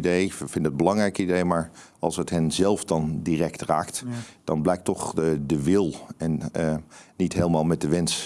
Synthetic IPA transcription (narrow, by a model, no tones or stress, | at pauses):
dejfɪndəəd̚bəlɑŋrɛjkidejmaːɹ | ɑlˠsɦətɦɛnzɛlˠfdɑndirɛktraːktd̥ɑnblɛjk̚tɔχdəʋɪlˠɛn | nitɦeːlˠəmaːlˠmɛt̚dəʋɛns